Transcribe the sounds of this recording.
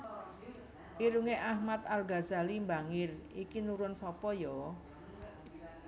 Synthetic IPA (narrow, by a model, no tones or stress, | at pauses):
ʔiɾuŋeʔahmat̪̚alɡazalimbaŋɪrikinuɾʊnsɔpɔjɔ